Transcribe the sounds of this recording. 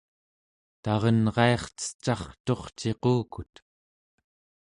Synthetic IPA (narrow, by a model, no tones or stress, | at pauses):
t̪ɑʁʌnʁɑeχt͡sə̥t͡ʃːɑχt̪o̞χt͡ʃe̞quːkut̪